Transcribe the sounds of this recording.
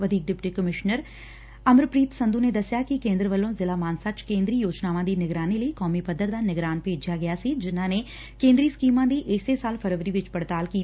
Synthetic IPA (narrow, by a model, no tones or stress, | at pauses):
ʋəd̪ʱiːk̚ɖɪpʈikəmɪʃnəɾ | ɐmɾpɾiːt̪sɐ̃nd̪ũned̪ɐsjakikẽːnd̪ɾəʋəlːõzɪlamaːnsat͡ʃkẽːnd̪ɾijoːd͡ʒnaːʋãd̪inɪɡɾaːniləikɔːmipɐd̪ːəɾd̪anɪɡɾaːnpeːd͡ʒjaɡɐjasid͡ʒɪnɦãne | kẽːnd̪ɾiskiːmãd̪iʔɛːsesaːlpʰɐɾʋəɾiʋɪt͡ʃpɐɽt̪aːlkiː